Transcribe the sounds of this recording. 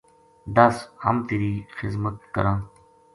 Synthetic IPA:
d̪ɐshɐ̰mt̪iɾiːxɪzmət̪̚kə̰ɾãː

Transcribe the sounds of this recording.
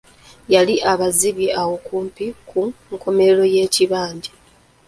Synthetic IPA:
jaliʔaβaziβjiʔawo̞kuːmpikʰuŋkʰo̞me̞lo̞je̞ːciβaːɲɟi

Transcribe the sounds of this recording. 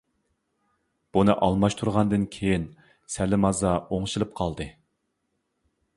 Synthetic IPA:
b̥unɨʔɑlˠmɑʃt̪ʰuɾʁɑnd̪ɨnkʲʰejin | sælɪmɑzɑoŋʃilˠɨp̚qʰɑlˠd̪ɨ

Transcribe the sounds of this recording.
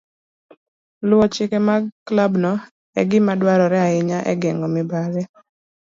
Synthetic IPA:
lwɔt͡ʃɪkɛmaklabnɔ | ɛ̰ɡɪmadwaɾɔɾɛaɪɲaʔɛ̰ɡɛŋɡɔmɪbaɾɛ

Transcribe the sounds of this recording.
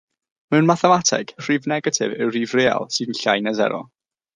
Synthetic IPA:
mɛwnmaθɛmatʰɪ̰ɡ̥ʰr̥iːvnɛɡatʰɪ̰vɪwriːvreːa̰lˠsɨːdn̩ɬajnazɛ̰ɾɔ̰

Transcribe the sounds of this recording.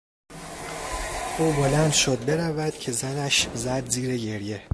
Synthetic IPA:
ʔuːbolænd̪ʃod̪̚be̞ɾævæd̪̥cʰe̞zænæʃzæd̪ziːɾeɟe̞ɾje̞

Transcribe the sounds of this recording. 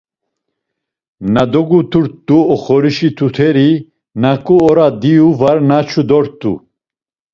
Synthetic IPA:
nad̪ɔɡut̪ʰuɾt̪ːuɔχɔɾiʃit̪ʰut̪ʰɛɾi | nakʼuɔɾad̪ijuvaɾnat͡ʃʰud̪ɔɾt̪ʼːṵ

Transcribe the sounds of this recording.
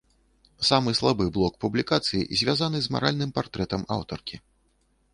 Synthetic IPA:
samɨslˠabɨblˠɔk̚publʲikat̪sɨjḭzʲvʲazanɨzma̰ɾʔalʲnɨmpart̪ɾɛt̪ɐma̰wt̪ɔrkʲi

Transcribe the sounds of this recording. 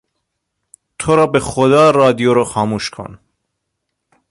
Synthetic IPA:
t̪ʰoɾɒːbexod̪ɒːrɒːd̪ijoɾoxɒːmuːʃkʰo̰n

